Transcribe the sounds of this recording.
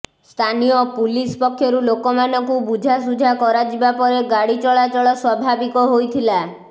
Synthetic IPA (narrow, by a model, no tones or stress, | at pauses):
st̪ʰanijɔpulispɔkʰːjɔɾulokɔmanɔŋkubud͡ʒʱas̬ud͡ʒʱakɔɾad͡ʒibapɔɾeɡaɽit͡ʃɔɭat͡ʃɔɭɔswɔbʱabikɔɦojt̪ʰila